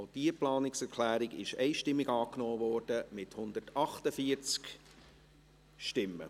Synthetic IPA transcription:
d̥iːəplɑːnɪksɛɾkʰlæːɾɪɡɪ̰ʃɛɪʃtɪmːɪɡɑːknɔːvɔːɾd̥əmɪthʊnd̪ətɑχtəfiəɾt͡sk | ʃtɪmːə̰

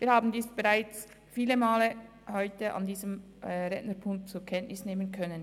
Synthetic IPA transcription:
viːɾhaːbn̩diːsb̥eʁaɪt͡s | fiːləmaːlə | hɔʏtəʔa̰ndiːzəm | ʁɛnnəɾpʰʊŋk̚t͡sukʰɛntnɪsneːmənkʰœnən

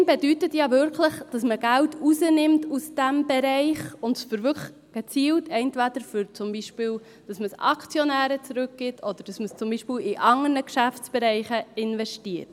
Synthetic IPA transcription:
mbɛdytətjɑvʏɾkʰləχd̥ɑsməɡ̥æltʰuzənɪmtusd̥æmbɛɾɛɪχʊndsfəɾvʏ | ɡ̥ɛt͡siːltɛntʋæd̪̥əɾfʏɾt͡sʊmbiʃpɪːl | d̥ɑsməsɑ̰kʰt͡sjɔnæːɾət͡sɾɵk̚ɡ̥ɪtʰɔd̪əɾd̥ɑsməst͡sʊmbiʃpɪːlɪʔɑŋərnəkʃæft͡sb̥ɛɾɛɪχəɪnvɛʃtiət

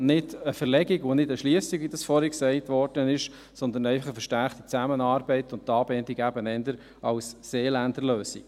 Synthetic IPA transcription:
nɪdəfəɾlɛɡiɡʋonɪdəʃliəsiɡvidɑsfɔɾhɛksɛɪtʋɔrd̥ənɪʃ | sɔnd̪ən̩ɛɪfɑχəfəɾʃtæɾχt̪it͡sæmənɑːɾbɛɪtʊntːɑːbɛndiɡæbənɛndəɾ | ɑwsːeːlændəɾløːsḭ

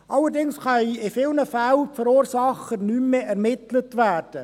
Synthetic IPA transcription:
ʔɑləɾdɪŋsχœjɪfɪlnəfælfəɾuːɾsɑχənymːeɛɾmɪtlətʋæːrd̥ə

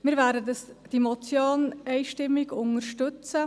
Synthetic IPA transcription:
mɪːɾvæːɾdədɑsd̥imɔt͡sjoːnɛɪʃtɪmːiɡʊŋəɾʃtʏt͡sə

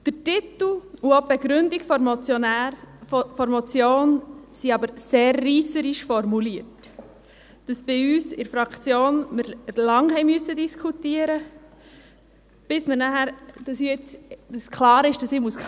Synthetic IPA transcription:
d̥ətit̪l̩uob̥ɛɡɾʏndiɡfɔɾmɔt͡sjɔnæɾfɔɾmɔt͡sjoːnsiɑbəɾseːrːiːsəɾiʃfɔɾmuliəɾt | d̥ɑsb̥ɪyːsɪɾfɾɑkt͡sjoːnmɪɾlɑŋɦɛɪmyəsːədiskʰutiəɾə | b̥ɪsməɾnæhæɾd̥ɑsiɪt͡sdəskʰlɑːɾɪʃd̥ɑsɪːmuːs

